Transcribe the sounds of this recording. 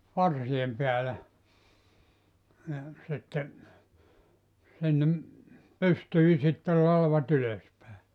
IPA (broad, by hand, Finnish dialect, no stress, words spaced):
pɑrsiem peælæ ni sitːe sinːem pystyi sitːel lɑlʋɑt yløs pæˑe